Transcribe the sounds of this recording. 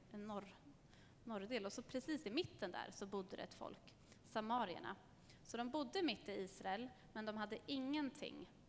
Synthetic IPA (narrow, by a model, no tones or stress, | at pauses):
ɛnːɔɾ | nɔɾd̪eːlɔsɔpʰɾɛsiːsɪmɪt̪ːənd̪æ̰ːɾsɔbʊd̪ːəɾɛ̰ɛt̪fɔ̰lk | samɑːɾɪə̰ɳa̰ | sɔd̪ɔmbʊd̪ːəɪmɪt̪ːɪiːsɾaɛl | mɛnd̪ɔmɦad̪ːəʔɪŋːənt̪ʰɪ̰ŋː